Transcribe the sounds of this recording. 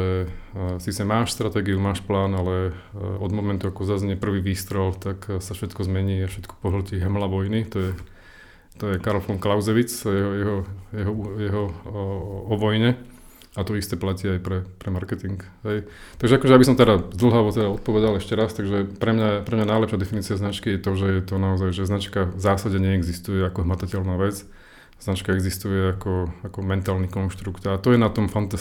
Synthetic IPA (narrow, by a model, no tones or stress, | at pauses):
ɛsiːt͡sɛmaːʃst̪ɾat̪ɛːɡiumaːʃplaːnalɛɔd̪mɔmɛnt̪uakɔzazɲɛpr̩ʋiːʋiːst̪ɾɛlt̪aksafʃɛt̪kɔzmɛɲiːafʃɛt̪kɔ̥pɔɦl̩ciɦmlaʋɔjnit̪ɔjɛ | t̪ɔjɛkaɾɔlfɔŋklaʊzɛʋit͡sjɛɦɔjɛɦɔjɛɦɔjɛɦɔ | ɔʋɔjɲɛ | at̪ɔist̪ɛplaciajpɾɛpɾɛmaɾkɛt̪iŋkɦɛjt̪aɡʒɛakɔʒɛjabisɔmt̪ɛɾazd̪l̩ɦaʋɔt̪ɛd̪aɔt̪̚pɔʋɛd̪alɛʃcɛɾast̪aɡʒɛpɾɛmɲapɾɛmɲanajlɛpʃjad̪ɛfiniːt͡siaznat͡ʃkijɛt̪ɔʒɛjɛt̪ɔnaɔzajʒɛznat͡ʃkazaːsaɟɛɲɛɛɡzist̪ujɛakɔɦmat̪acɛlnaːʋɛt͡s | z̥nat͡ʃkaɛɡzist̪ujɛakɔakɔmɛnt̪aːlnikɔnʃt̪ɾukt̪at̪ɔjɛnat̪ɔmfant̪a